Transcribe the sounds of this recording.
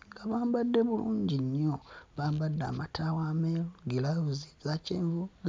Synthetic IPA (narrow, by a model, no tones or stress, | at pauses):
ŋɡaβaːmbadːe̞βuluːɲɟiɲːoβaːmbadːa̰matʰawameluɡilauzizaceːɱvuɡ